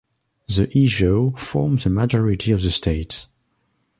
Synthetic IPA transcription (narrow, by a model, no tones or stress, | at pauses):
ðəʔiʒofɔɹmðəmad͡ʒɔɹitʰiɔvðəstʰeɪt